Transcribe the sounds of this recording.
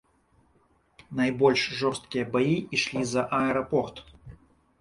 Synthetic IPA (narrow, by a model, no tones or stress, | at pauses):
nɐjbolʲʂʐɔrst̪̚kʲɪjəbɐiʔiʂlʲizɐʔɐɛɾɐport̪